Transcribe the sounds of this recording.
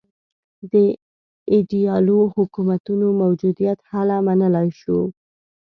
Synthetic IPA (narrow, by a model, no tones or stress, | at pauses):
d̪ə | ɪɖijɑlohʊkumat̪unomawd͡ʒud̪ijat̪halamanəlajʃo